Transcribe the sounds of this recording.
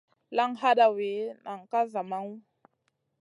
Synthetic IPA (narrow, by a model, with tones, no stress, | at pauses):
la˦ŋɦa˦ɗa˨we˨˦na˨ŋ˨ka˦za˨ma˦ŋ˦